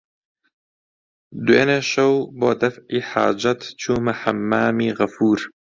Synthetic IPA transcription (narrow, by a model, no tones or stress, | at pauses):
d̪uḛːneːʃɐwboːd̪ɐfʕiːħa̰ːd͡ʒɐt̪t͡ʃʰuːmɨħamːaːmiːɣɐfuːɾ